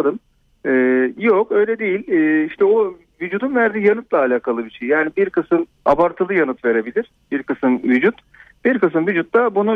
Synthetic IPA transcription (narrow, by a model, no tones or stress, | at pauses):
d̪ɯm | ɛːjokø̞jlʲɛd̪ejilʲɛːiʃt̪ʰɛo | vyd͡ʒuːd̪unvæɾd̪iːjanɯt̪lˠaːlʲaːkʰalˠɯbiʃejjaːnibiɾkɯsɯm | a̰baɾt̪ʰɯlˠɯjanɯt̪ve̞ɾe̞bilʲiɾ̥b̥iɾkɯsɯmvyd͡ʒut̪ | b̥iɾkɯs̬ɯmvyd͡ʒut̪lˠabunu